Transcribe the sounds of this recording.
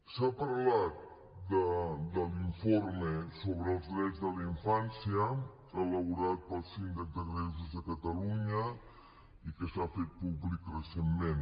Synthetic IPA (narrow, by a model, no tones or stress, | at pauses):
sapəɾlat̪̚ | d̪əd̪əliɱfoɾməsoβɾəəlˠzðɾɛd͡zðəliɱfansiə | ələβuɾat̪̚pəlˠsind̪əzd̪əɣɾezuzðəkət̪əluɲə | ikəsafet̪̚puβlikrəsemmẽn